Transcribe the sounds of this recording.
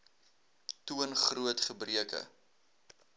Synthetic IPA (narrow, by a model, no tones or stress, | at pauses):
tuənχruətχəbriəkə̰